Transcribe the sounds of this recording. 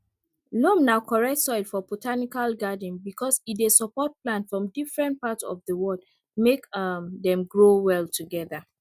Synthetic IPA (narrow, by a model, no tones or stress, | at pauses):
lɔ̃mnaʊkʰɔɹɛk̚tsɔɪlfɔbotʰanikalɡadĩnbikʰɔsidesɔpɔt̚plãnfɹɔ̃mdifɹɛ̃nt̚patsɔ̰vðəwɔd | mekmðɛ̃mɡɹowɛltʰuɡɛða